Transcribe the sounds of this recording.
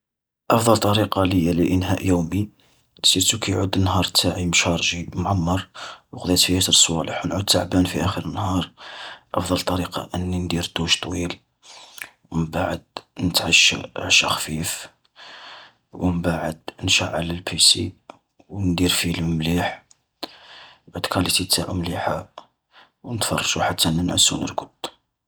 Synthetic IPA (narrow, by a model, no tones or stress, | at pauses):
ʔɑfd̪ˤɑlt̪ˤːɑɾiqɑləjːaliʔənɦæʔjuwmi | siɾt̪ukʰæjʕud̪ənːhɑɾˤt̪ʰːaʕimʃɑɾˤʒimʕamːɑɾˤwəqd̪it̪fihæt̪əɾsˤwæləħwnʕud̪̚t̪ːaʕbænfiʔæxəɾənːhɑɾˤʔɑ̰fd̪ˤɑlt̪ˤːɑɾiqɑ̰ʔənːind̪iɾt̪ˤuʃt̪ˤwil | wməmbaʕə̰d̪̚nət̪ʕaʃːʕʃæxfif | wʔəmbaʕəd̪nʃaʕʕa̰ləlpʰisi | wnd̪iɾfiləmmliħ | bʕad̪kʰælit̪it̪ːæʔəmliħa | wnət̪fɑ̰rˤːɑʃuħat̪ʰːænənʕəsːṵnə̰ɾkʊd̪